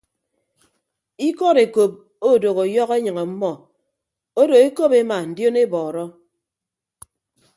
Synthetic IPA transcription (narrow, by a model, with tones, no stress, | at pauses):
i˦kɔ˦ɾe˨ko˨p̚ | o˦˨do˨ɣo˨jɔ˦ɣe˦ɲɨ˨ŋɔ˨m̩˦mɔ˨ | o˦do˨e˦ko˦pe˦ma˨n̩˨djo˦ne˦bɔː˨ɾɔ˦